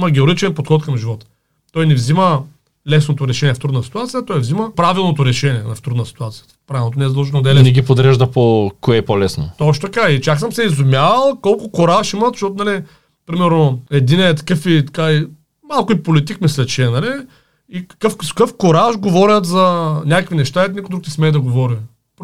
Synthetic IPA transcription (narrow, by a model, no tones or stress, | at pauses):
mɐɡʲɛoɾit͡ʃɛnpot̪xɔt̪̚kɐmʒivɔt̪ə̥ | t̪ɔjnɛvzimə | lɛsnot̪oɾɛʃɛnʲiɛft̪ɾud̪nəsi̥t̪uat̪sijət̪ɔjvziməpɾavilˠnot̪oɾɛʃɛnʲiɛnɐft̪ɾud̪nəsi̥t̪uat̪sijə | pɾavʲilˠnot̪onɛzd̪lˠʒɛnod̪ɛlɛnɛɡʲipod̪ɾɛʒd̪ɐpokoɛpolɛsnot̪ɔʃt̪t̪ɐkait͡ʃaksəmsɛizʊmʲjavɐlˠkɔlˠkʊkoɾaʃimət̪ʃt̪ɔt̪ʊnɐli | pɾimɛɾnoɛd̪inɛt̪̬ɐ̥kəfit̪ɐkai | malˠkʊipolit̪ikmislʲɛt͡ʃiɛnɐli | ikɐ̥kəfskəfkoɾaʃʒɡovɔɾʲɐt̪zɐnʲakəkvinɛʃt̪aɛnɛkuʊid̪ukt̪ismɛːd̪ɐɡovɔɾi | p